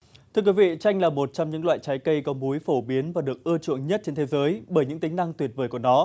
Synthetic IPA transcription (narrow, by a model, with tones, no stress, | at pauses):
t̪ʰɨ˧əkwi˨˦vḭ˧˨t͡ɕa˧jŋ̟laː˨˩mo˨˩t̚t͡ɕɔ˧ŋ͡mɲɨ̰˧˥ŋlwa̰ː˧˨jt͡ɕa˨˦jkə˧jkɔ˨˦mu˨˦jfo˧˩ɓi˨˦ənvaː˨˩ɗɨ˨˩ək̚ʔɨ˧t͡ɕṵ˧˨əŋɲə˦˥t̚t͡ɕe˧nt̪ʰe˨˦zəː˨˦jɓəː˧˩jɲɨ̰˧˥ŋt̪ï˨˦ŋ̟na˧ŋt̪wi˨˩ət̚vəː˧˩jku˧˩ənɔ˨˦